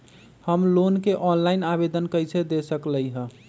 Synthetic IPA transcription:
həmlonkeʔɔnlainabed̪ənkəjt͡ʃʰed̪esəkləjɦə̃

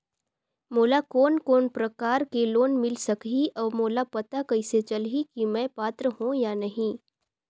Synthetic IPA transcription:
moːlakoːnkoːnpɾɐkaːɾkeloːnmɪlsɐkɦiʔɔːɾmoːlapɐt̪akɐɪset͡ʃɐlɦikimɛ̃paːt̪ɾəɦũjanɐɦĩ

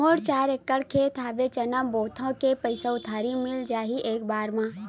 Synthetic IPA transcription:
oːɾt͡ʃaːɾekːəɽkʰeːt̪ʰaːʋet͡ʃɐnəmboːt̪ʰõkepəɪseʊt̪ʰaːɾimɪld͡ʒaːɦiʔeːk̚baːɾmãː

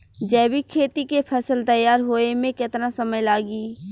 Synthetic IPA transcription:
d͡ʒɛːbikʰeːt̪ikepʰəsəlt̪əjːaːɾɦoːemẽkɪt̪nasəməjlaːɡiː

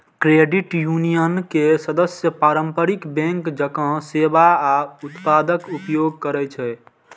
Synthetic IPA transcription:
kɾeɖiʈjunijənkesəd̪əsjəpaɾəmpəɾikbɛ̃ŋkd͡ʒəkə̃sebaaut̪pad̪əkupjoɡ̚kəɾɛt͡ʃʰɛ

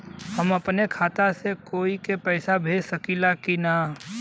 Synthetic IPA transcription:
hɐmɐpnekʰaːt̪asekoːikepɛːsabʱeːd͡ʒsɐkilakinaː

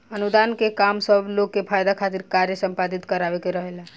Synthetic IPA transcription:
ənud̪ankekamsəbʱlokːepʰajd̪akʰat̪iɾkaɾjəsəmpad̪it̪kəɾaʋekeɾəɦela

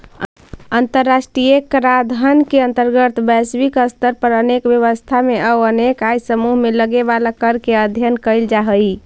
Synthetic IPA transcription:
ənt̪əɾːasʈɾijekɾad̪ʱənkeənt̪əɾɡət̪bɛswikəst̪ʰəɾpəɾənekbjəβəst̪ʰameəənekajsəmuɦmeləɡebalakəɾkeəd̪ʱjənkəjld͡ʒaɦəj

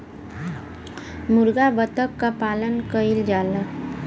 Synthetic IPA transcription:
mʊɾɡabət̪əkːapaːlənkəild͡ʒaːla

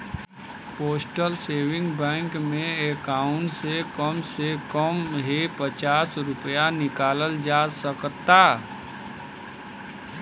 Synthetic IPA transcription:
poːsʈəlseːʋɪ̃ŋɡbɛ̃ːŋkmẽekaːʊ̃ɳʈsekəmsekəmɦepət͡ʃaːsɾʊpjanɪkaːləld͡ʒaːsəkt̪aː

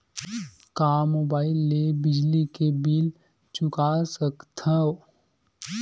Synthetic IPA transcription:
kaːmoːbaːɪlːebɪd͡ʒlikebiːl | t͡ʃʊkasəkt̪ʰao

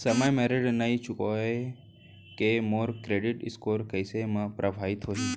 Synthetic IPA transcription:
səməjmeɾeɖnəɦit͡ʃʊkoe | kemoːɾkɾeɖɪʈɪ̰skoːɾkəjsemãpɾʔəbʱaʋit̪ɦoːɦi

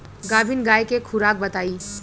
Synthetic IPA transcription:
ɡaːbinɡaːekekʰʊɾaːk̚bɐt̪aːiː

